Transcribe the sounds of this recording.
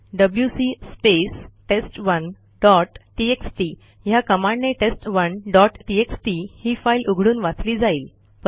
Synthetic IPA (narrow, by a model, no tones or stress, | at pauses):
ɖəbljusiːspesʈesʈʋən | ɖɔʈʈieksʈi | jakəmaɳːeʈesʈʋənɖɔʈʈieksʈihiːfailʔuɡʱɽuːnʋat͡sliːd͡zaiːl | p